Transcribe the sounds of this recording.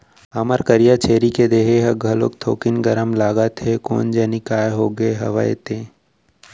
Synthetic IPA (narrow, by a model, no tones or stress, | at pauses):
ɐməɾkəɾijat͡ʃʰeːɾiked̪eːɦeɦɐɡʱɐlok̚t̪ʰo̰ːkɪnɡɐɾəmlaːɡət̪ɦeko̰ːnd͡ʒɐːnikaːeɦoːɡəeɦɐ̰ʋa̰ḛt̪ẽː